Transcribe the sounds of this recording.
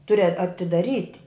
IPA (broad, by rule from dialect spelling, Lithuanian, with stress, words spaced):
ˈtʊrʲɪ ɐ ɐtʲɪdɐˈrʲiːtʲɪ